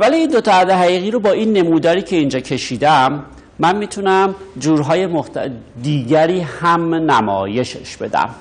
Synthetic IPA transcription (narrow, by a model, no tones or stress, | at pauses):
væliːnd̪o̞t̪ʰɒæd̪eɦæɣiːɣiːɾobɒːiːnːe̞muːd̪ɒːɾiːcʰe̞ind͡ʒɒːcʰe̞ʃiːd̪æmː | ænmiːt̪ʰunæmd͡ʒuːɾɦɒːje̞moht̪d̪iːɟæɾiːhæmnæmɒ̰ːje̞ʃeʃbe̞d̪æ̰m